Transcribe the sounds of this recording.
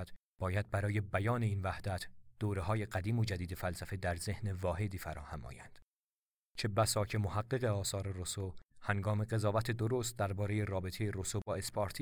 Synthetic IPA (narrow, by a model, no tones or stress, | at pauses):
d̪̥ | b̥ɒːjæd̪̚bæɾɒːje̞bæjɒːne̞iːnvæhd̪̥æt̪ʰd̪̥oːɾe̞ɦɒːje̞ɢæd̪iːmo̞d͡ʒæd̪iːd̪e̞fælsæfe̞d̪æɾze̞hnevɒːhe̞d̪iːfæɾɒ̰ːhæmɒ̰ːjænd̪̥ | t͡ʃʰe̞bæsɒːcʰemohæɡːe̞ɣe̞ɒːsɒːɾe̞rosohæŋɡɒːme̞ɡe̞zɒːvæt̪ʰe̞d̪oɾost̪̚d̪æɾbɒːɾe̞je̞ɾɒːbe̞t̪ʰejeɾosobɒːe̞spʰɒɾt̪ʰi